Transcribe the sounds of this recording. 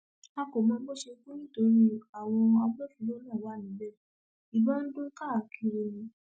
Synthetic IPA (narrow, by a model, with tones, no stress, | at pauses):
a˧ko˨mɔ̃˧˦bo˦˨ʃe˧˦ke˦nĩ˦˨to˨˦ɾi˦a˨w̃ɔ̃˧a˧˦bɔ˦˨fĩ˨˧˦lo˦nãː˦˨wa˨˦nĩ˨˦bɛ˦˨ | i˨ɡ͡bɔ̃˦n̩˦do˦ka˦˨kʰi˧ɾo˧nĩ˨˧˦